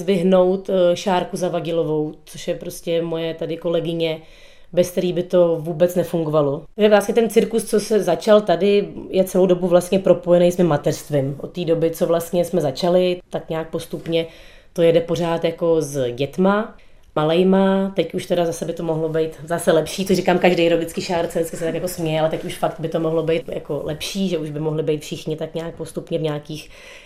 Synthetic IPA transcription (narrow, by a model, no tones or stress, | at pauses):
zvɪɦno̞wt̪ʃaːɾkuzavaɟɪlovo̞wt͡so̞ʃjɛpɾo̞scɛmojɛt̪adɪko̞lɛɡɪɲɛ | bɛsk̚t̪ɛɾiːbɪt̪o̞vuːbɛt͡snɛfuŋɡovaloʒɛvɾastɲɛt̪ɛnt͡sɪɾkust͡sosɛzat͡ʃalt̪adɪjɛt͡sɛlowdo̞buvlast̪ɲɛpɾo̞po̞jɛnejsmɪmːat̪ɛrst̪vɪmʔot̪ːiːdo̞bɪt͡so̞vlast̪ɲɛsmɛzat͡ʃalɪt̪akɲaːk̚po̞st̪upɲɛ | t̪o̞jɛdɛpo̞r̝aːt̪jako̞zɟɛt̪ma | malɛjmat̪ɛcuʃt̪ɛdazasɛbɪt̪o̞mo̞ɦlobɛjt̪zasɛlɛpʃiːtt͡sorikaːmkaʒdejɾoɡdɪt͡skɪʃaːɾt͡sɛdɪt͡skɪsɛt̪akjakosmɲɛjɛalɛt̪ɛcuʃfakt̪̚bɪt̪o̞moɦlobɛjt̪ja̰kolɛpʃiːʒɛuʒbɪmoɦlɪbɛjt̪fʃɪxɲɪt̪akɲaːk̚post̪upɲɛvɲaːkiːx